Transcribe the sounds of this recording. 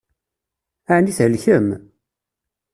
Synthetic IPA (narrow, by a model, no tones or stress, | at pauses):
aʕniθəlçəm